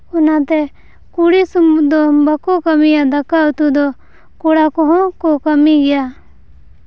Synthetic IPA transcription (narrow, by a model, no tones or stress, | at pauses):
ɔnat̪ɛ | kuɽisumd̪ɔbakɔkəmijad̪akaut̪ud̪ɔ | kɔɽakɔɦɔ̃kɔkəmiɡɛja